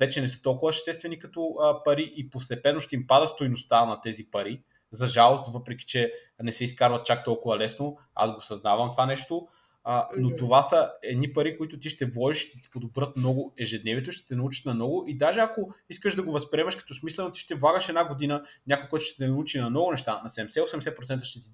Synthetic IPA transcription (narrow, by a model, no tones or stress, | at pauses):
vɛt͡ʃɛnɛsə̥t̪ɔlˠkʊvɐʃst̪ɛst̪vɛnikɐt̪ɔpɐɾiʔipost̪ɛpɛnːoʃt̪ɛimpad̪əst̪ojnost̪anɐt̪ɛzipɐɾi | zɐʒalˠost̪vɤpɾɛki̥t͡ʃɛ | nɛsɛiskaɾvɐt̪̚t͡ʃak̚t̪ɔlˠkʊvɐlɛsno | a̰zɡosɐznavɐmt̪ovanɛʃt̪o | not̪ovasɐɛd̪nipɐɾikoit̪ʊt̪iʃt̪ɛvˠɔdiʃʃt̪ɛt̪i̥pod̪obɾət̪mnɔɡoɛʒɛd̪nɛviɛt̪ʊʃt̪ɛ̥t̪ɛnɐut͡ʃi̥t̪nɐmnɔɡʊʔid̪aʒɛakoiskəʒd̪ɐɡovɐspɾiɛmɐʃkɐ̥t̪ɔsmislɛnot̪i̥ʃt̪ɛvlˠaɡəʃɛd̪naɡod̪inəɲʲakojkɔjt̪ʊ̥ʃt̪ɛt̪ɛnɐut͡ʃinɐmnɔɡʊnɛʃt̪anɐsɛd̪ɛmɛsɛosɛmd̪ɛsɛpɾot̪sɛnt̪ə̥ʃt̪ɛt̪i